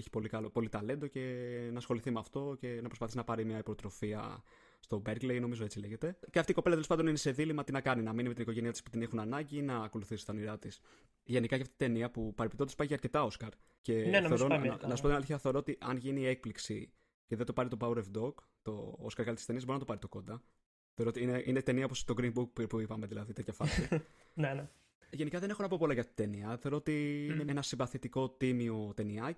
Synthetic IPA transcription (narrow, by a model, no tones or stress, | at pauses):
eçi̥po̞likɐlo̞po̞lit̪ɐle̞nd̪oce̞nɐsxo̞liθimeɐft̪o̞ce̞nɐpɾospɐθisinɐpɐɾimɲɐipot̪ɾo̞fiɐ̰ | st̪o̞beɾɡlejno̞mizo̞e̞t͡sile̞ʝe̞t̪e̞ceɐft̪iko̞pelɐt̪eospɐd̪o̞ninese̞ðilimɐt̪inɐkɐninɐminimeiniko̞ʝe̞niɐt̪i̥spu̥t̪inexunɐnɐɲɟinɐːko̞luθisi̥st̪ɐniɾɐt̪is | ʝe̞nikɐjʝɐft̪it̪it̪e̞niɐpupɐɾepit̪ot̪spɐjʝeɐɾce̞t̪ɐo̞skɐɾ | ce̞nneɾoɐnɐsupot̪inɐliçiɐθe̞o̞ɾo̞ot̪iʔɐnʝinie̞k̚pliksi | ceðet̪opɐɾit̪opɐwɾevd̪o̞k | t̪o̞oskɐɾɣɐɾit̪i̥st̪eniɐzbɾinɐt̪opɐɾit̪o̞ko̞d̪ɐ | θeoɾot̪iineʔinet̪e̞niɐopost̪oɡɾimbukpuipɐmeðilɐðit̪et̪ʰɐfɐsi | nene | ʝe̞nikɐðe̞ne̞xo̞nɐpo̞po̞lɐʝɐft̪i̥id̪eniɐθeɾo̞ot̪iineenɐsimbɐθit̪iko̞t̪imiot̪e̞niɐ